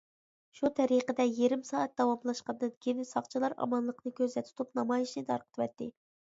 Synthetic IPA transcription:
ʃut̪ʰɛɾiqəd̪ɛjeɾɪmsɑːɛt̪̚d̪ɑwɑmlˠɑʃqɑnd̪ɨnɡʲʰenɪsɑqt͡ʃʰlˠɑɾɑ̰mɑnlˠəqnɨkʲʰøzlɛt̪ʰu̥t̪ʰupnɑmɑjiʃnɨt̪ʰɑ̰ɾqə̥t̪ʰvɛt̪ːɪ

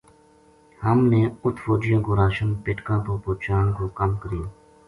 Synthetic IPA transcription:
həmneːʊt̪ʰfoːd͡ʒɪjãːkoːɾaːʃənpɪʈkãːpõːpoːt͡ʃaːnkoːkəmkəɾɪjaː

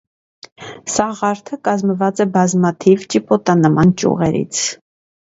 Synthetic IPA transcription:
sɑʁɑɾt̪ʰəkɑzməvɑt͡sɛbɑzmɑt̪ʰivt͡ʃipɔt̪ɑnəmɑnt͡ʃṵʁɛɾḭt͡sʰ

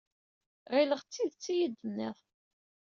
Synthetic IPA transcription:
ʁiləʁt͡sːiðt͡sːijəd̪ːənːiðˤ

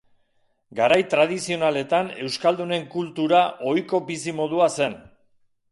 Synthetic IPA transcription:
ɡaɾajt̪ɾað̞isio̞nale̞t̪ane̞wskald̪une̞ŋkult̪uɾaʔo̞jko̞bisimo̞ðuase̞n

